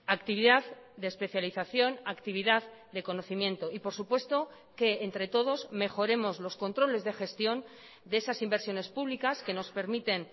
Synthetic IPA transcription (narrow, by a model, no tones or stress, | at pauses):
akt̪iβ̞iðaðd̪eːspe̞θjaliθaθjo̞nakt̪iβiðaðd̪e̞ko̞no̞θimjẽ̞nt̪o̞ipo̞ɾsupwe̞st̪o̞ | ke̞ːnt̪ɾe̞t̪o̞ð̞o̞zme̞xo̞ɾe̞mo̞zlo̞sko̞nt̪ɾo̞le̞zðe̞xe̞st̪jo̞n | d̪eesasimbe̞ɾsjo̞ne̞spuβlikaske̞no̞spe̞ɾmit̪e̞n